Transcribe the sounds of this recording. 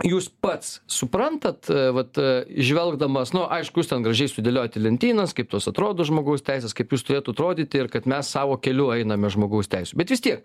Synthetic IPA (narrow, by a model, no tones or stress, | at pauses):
juːspɐt̪ssʊprɐnt̪ɐt̪ʋɐt̪ɪʒʲʋʲɛlˠɡd̪ɐmɐsnʊʔɐɪʃkʊjuːstʲɛnɡɾɐʒʲɛɪsʊd̪ʲelʲoːjɛt̪ʲɪlʲɛnʲt̪ʲiːnɐskɐɪp̚t̪oːsɐt̪ɾoːd̪oːʒmoːɡɐʊst̪ʲɛɪsʲeːskɐɪpjuːst̪ʊɾʲeːt̪ʊɐt̪ɾoːd̪ʲiːt̪ʲɪrkɐt̪mʲɛssɑːʋoːkʲɛlʲʊɛɪnɐmʲɛʒmoːɡɐʊstʲɛɪsʲʊbʲɛt̪ʋʲɪst̪ʲiɛk